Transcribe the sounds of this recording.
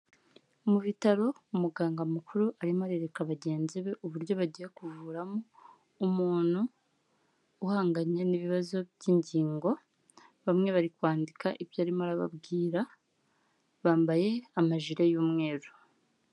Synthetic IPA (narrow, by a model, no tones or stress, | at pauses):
muβitaɾo̞umuɡaːŋɡamukʰuɾuʔaɾimaɾe̞ɾe̞kaβaɟe̞ːnziβe̞ʔuβuɾjo̞βaɟijekuvuːɾamoː | muːnhu | haːŋɡaɲeniβiβazo̞bjiːɲɟiːŋɡo̞ | βamŋe̞βaɾikwaːndikaʔiβjaːɾimaɾaβa̰bɡiːɾa | βaːmbaje̞amaʒiɾe̞juːmŋe̞ːɾu